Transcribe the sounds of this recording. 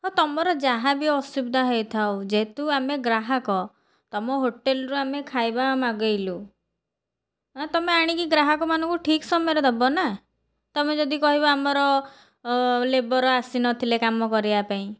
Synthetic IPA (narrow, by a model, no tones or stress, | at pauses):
ɦot̪ɔmɔɾɔd͡ʒaɦabiɔsubd̪ʱaɦejt̪ʰaod͡ʒet̪uameɡɾaɦakɔ | t̪ɔmɔɦoʈelɔɾuamekʰajbamaɡɔjlu | t̪ɔmeaɽ̃ikiɡɾaɦɔkɔmanɔ̃ŋkuʈʰiksɔmɔjɔɾɔd̪ʱabɔna | t̪ɔmed͡ʒɔd̪ikɔɦiβɔamɔɾɔ | lebɔɾɔasinɔt̪ʰilekamɔkɔɾibapaĩ